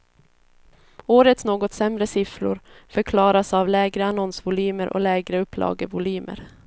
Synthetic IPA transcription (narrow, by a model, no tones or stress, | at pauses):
oːɾət̪snoːɡɔt̪sɛmɾəsɪfɾʊ̰ɾfœɾkʰlɑːɾasavlɛːɡɾəanɔnsvʊlyːməɾʔɔ̰lɛːɡɾəɵpʰːlʔɑ̰ːɡəvʊlyːmʔə̰ɾ